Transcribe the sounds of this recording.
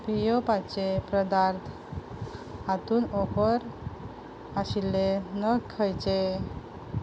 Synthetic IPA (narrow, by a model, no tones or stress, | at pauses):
pijopat͡ɕepɾəd̪aɾt̪ʰ | at̪uːnɔpəɾ | aɕilːenəkʰəjt͡ɕe